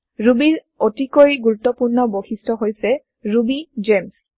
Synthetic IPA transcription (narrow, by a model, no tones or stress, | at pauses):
ɹubiɹ | otikojɡuɹutːɔpuɹnɔboxistʰɔɦojsɛ | ɹubid͡ʒems